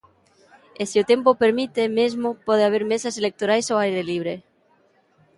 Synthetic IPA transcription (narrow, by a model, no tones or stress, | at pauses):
esiot̪empopeɾmit̪emezmopoð̞eaβ̞eɾmesaselek̚t̪oɾajsoajɾeliβ̞ɾe